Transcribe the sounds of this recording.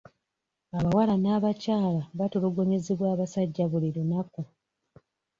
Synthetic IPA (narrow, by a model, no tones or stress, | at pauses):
aβawalanaːβacaːlaβatuluɡo̞ɲezeβwaːβasaɟːaβuliɾunaku